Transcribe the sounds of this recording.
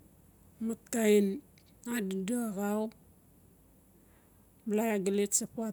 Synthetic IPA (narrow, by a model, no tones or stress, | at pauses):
mat̚kajn | addaaɣaw | blajaɡaletsapua